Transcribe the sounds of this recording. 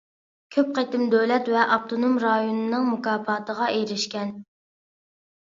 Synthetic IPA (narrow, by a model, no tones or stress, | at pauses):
kʲʰøp̚qet̪ɪmd̪ølɛt̪vɛʔɑp̚t̪ʰonomɾɑjonɨnɨŋmukɑːpɑːt̪ʰəʁɑʔeɾɪʃkʲɛn